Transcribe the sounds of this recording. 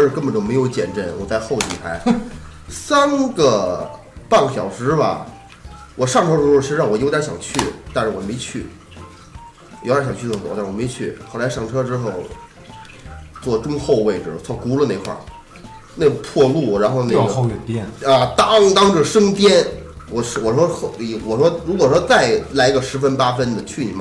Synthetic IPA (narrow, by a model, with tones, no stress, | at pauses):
ʂɻ̩˥˧kə˥nbə˨˩nt̪o˥ʊme˧˥ɪjo˧˥ʊt͡ɕjɛ̰˨˩nʈ͡ʂə˥˩nwɔ˨˩t͡sa˥˧ɪxo˥˧ʊt̪ḭ˨˩xʰa˧˥ɪ | sa˥nɡə˧ | pa˥˩ŋɡɕjɑ̰˨˩ʊʂɻ̩˧˥bɐ̰˨˩ | wɔ˨˩ʂɑ˥˩ŋʈ͡ʂʰɤ˥ʈ͡ʂɻ̩˥xo˥˧˩t͡ɕʰi˧˥˧ɑ˥˩ŋwɔ˨˩jo˧˥ʊt̪jɕjɑ˨˩ŋt͡ɕʰy˥˩t̪a˥˧nʂɻ̩˥˩wɔ˨˩me˧˥ɪt͡ɕʰy˥˩ | wo˧˥jɕɑ˨˩ŋt͡ɕʰy˥˧t͡swɔ˥˩kʊta˥˩ɻ̩˥˩wɔ˨˩me˧˥ɪt͡ɕʰy˥˩xo˧˩ʊla˧˥ɪʂɑ˥˩ŋʈ͡ʂʰɤ˥ʈ͡ʂɻ̩˥xo˥˧ʊ | t͡swɔ˥˩ʈ͡ʂʊ˥ŋxo˥˧ʊwe˥˩ɪʈ͡ʂɻ̩˨˩t͡sʰwɔ˥˩ku˥lə˨˧ne˥˧ɪkʰwa̰˥˩ | ne˥˩ɡə˧˩pʰwɔ˥˧lu˥˩ɻa˧˥nxo˥˧ʊne˥ɡɛ˨˩ntɛ˥˧nɐ˧t̪ɑ˥ŋt̪ɑ˥ŋʈ͡ʂə˥˩ʂɤ˥ŋt̪jɛ˥nwɔ˨˩ʂwɔ˨˩ʂwɔ˥xwɔ˨˩ʂwɔ˥ɻu˧˥kwɔ˨˩ʂwɔ˥t͡sa˥˩ɪla˧˥˧ɡə˧ʂɻ̩˧˥fə˥npa˥fə˥nd̪ə˨t͡ɕʰy˥˩nḭ˨˩m˥˩